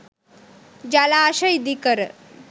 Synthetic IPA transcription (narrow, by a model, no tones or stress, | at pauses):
d͡ʑalaːɕəjd̪ikəɾ